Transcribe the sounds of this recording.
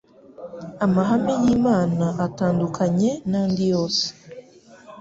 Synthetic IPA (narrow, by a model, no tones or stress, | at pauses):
amaɦamejiːmaːnaʔataːndukʰaɲe̞naːndijoːse̥